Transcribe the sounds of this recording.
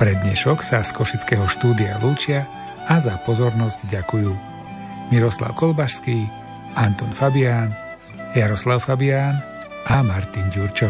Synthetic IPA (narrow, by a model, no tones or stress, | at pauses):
pɾɛd̪ɲɛʃɔksaskɔʃit͡skɛːɦɔʃt̪uːd̪ialuːt͡ʃɪa | azapɔzɔɾnɔzɟɟakujuː | miɾɔsla̰ʊkɔlbaʃskiː | ʔant̪ɔnfabɪaːn | jaɾɔslaʊfabiaːn | amaɾt̪inɟuɾt͡ʃɔ